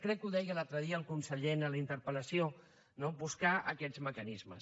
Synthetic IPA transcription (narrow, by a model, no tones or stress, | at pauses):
kɾɛkːuðɛjɣəlalt̪ɾəðiəːlˠkunsəʎenələint̪əɾpələsio | nobuskaʔəkɛzməkənizmə̰s